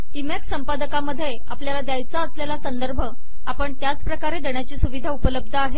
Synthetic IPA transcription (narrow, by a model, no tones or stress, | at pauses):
imeksəmpad̪əkaməd̪ʱːje | apljalad̪jajt͡saəsljalasənd̪əɾbʱə | apəɳt̪jat͡spɾəkaɾed̪eɳjat͡ɕiːsuʋid̪ʱaupələb̚d̪ʱəaɦe